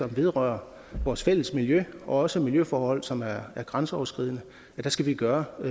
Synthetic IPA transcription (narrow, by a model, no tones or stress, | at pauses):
ɒ̽mʋe̝ð̞ˠʁœːɐ | ʋɒːsfel̰əsmiljøʔɒ̽ɒ̽səmiljøfɒːhɒ̽l̰sɒ̽mæɐæɐɡ̥ʁɑnsəɒ̰ʊɐsɡ̥ʁið̰ˠnə | æd̥æsɡ̥æʋiɡ̥ɶːɐ